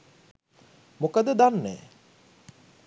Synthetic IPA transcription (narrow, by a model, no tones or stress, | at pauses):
mokəd̪əd̪anːæ̰ː